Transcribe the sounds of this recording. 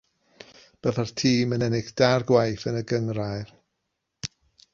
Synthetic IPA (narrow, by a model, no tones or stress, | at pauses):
b̥əðartʰiːmənɛnɪɡd̥arɡwajθənəɡəŋrajr